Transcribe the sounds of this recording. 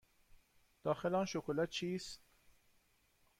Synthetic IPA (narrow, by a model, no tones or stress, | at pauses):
d̪̥ɑːxelɑːnʃokolæt̪̚t͡ʃʰiːs